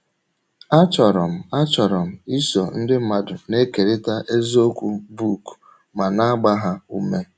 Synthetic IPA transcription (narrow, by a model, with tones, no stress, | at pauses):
a˦t͡ʃɔ˨ɾɔ˨m̩˨a˦t͡ʃɔ˨ɾɔ˨m̩˨i˦sɔ˨n̩˦dɪ˦ma˨dʊ˨ne˦ke˨ɾe˦ta˦ʔe˦zo˦kʷu˦bu˦˨k | ma˨na˦a˦ɡ͡ba˦ɦa˦u˦me˦